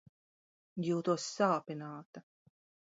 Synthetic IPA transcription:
juːt̪uɔsːaːpʲinaːt̪ɐ

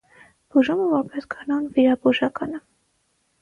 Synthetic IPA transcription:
b̥uʒuməvɔɾpɛsɡʰɑnɑnviɾɑbuʒɑkɑnə

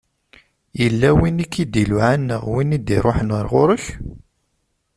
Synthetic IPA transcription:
jəlːæwinikːid̪iluʕanːə̰ʁwinid̪iɾˤoħənəɾˤʁʊɾəç

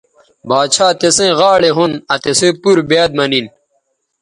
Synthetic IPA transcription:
baːt͡ɕʰaːt̪esẽɣaːɭeɦunɐt̪esẽːpuɾbeːd̪̚mɐnin

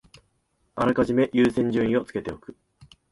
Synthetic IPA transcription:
aɾakaʑime̞ʔjɯːsẽ̞ɲ̟d͡ʑɨ̃ɰ̃ĩo̞t͡sɨ̥ke̞t̪e̞o̞kɯ̟̥

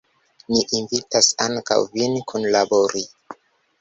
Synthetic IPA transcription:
niʔinvitasaŋka̰wvinkʰunlaboɾi

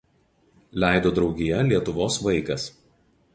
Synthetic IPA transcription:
lʲæˑɪd̪oːd̪ɾɒʊɡʲijɛlʲiɛt̪ʊʋoːsʋɐɪkɐs

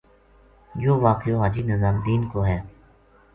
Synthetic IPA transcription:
joːʋaːkjoːɦaːd͡ʒiːnɪzaːmd̪iːnkoːɦɛː

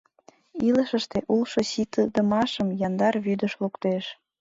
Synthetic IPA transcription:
iləʃəʃt̪eʔulʃosit̪əd̪əmɑʃəmjɑnd̪ɑrβyd̪əʃlukt̪eʃ

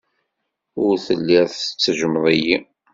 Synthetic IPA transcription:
ʊɾθəlːiɾθə̥t͡sːəʒəmðˤiji

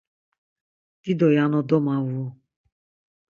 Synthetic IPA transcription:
d̪̥id̪ɔjanɔ̃d̪ɔmãwo

